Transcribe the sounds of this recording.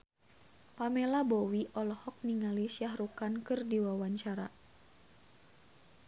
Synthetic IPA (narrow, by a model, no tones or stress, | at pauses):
pamelabɔwiʔɔlɔhɔk̚niŋalisjahrukankɨrdiwawaɲt͡ʃaɾa